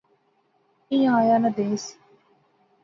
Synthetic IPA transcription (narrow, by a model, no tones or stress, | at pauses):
ĩjãːjaːnɐd̪eːsi̥